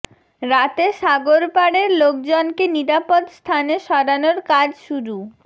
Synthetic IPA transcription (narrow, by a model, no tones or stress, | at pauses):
ɾat̪eʃaɡoɾpaɽeɾlok̚d͡ʑonkeniɾapod̪st̪ʰaneʃɔɾanoɾkad͡ʑʃuɾu